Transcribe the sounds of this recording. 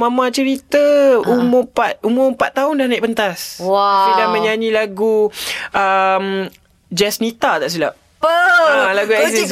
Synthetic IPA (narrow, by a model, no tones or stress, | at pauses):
mãmãt͡ʃəɾit̪əumʊpat̪̚umʊpat̪ːaʊndahnãiʔpənt̪aswasidamə̃ɲaɲĩlaɡuʔəm | d͡ʒɛsnit̪at̪aʔs̬ilaʔ | pəalaɡuɛzis